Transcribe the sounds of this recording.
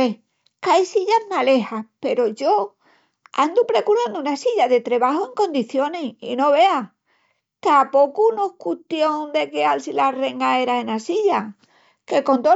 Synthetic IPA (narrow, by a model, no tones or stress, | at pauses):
e | kajsiʎazmale̞hape̞ɾo̞ʝo̞ | a̰nd̪upɾe̞kuɾand̪uunasiʎaðe̞t̪ɾe̞βaɦoe̞ŋkõ̞nd̪iθjo̞neḭno̞βe̞a | t̪apo̞kuno̞hkut̪jond̪e̞kealsilare̞ŋɡae̞ɾaenasiʎa | ke̞ko̞nt̪o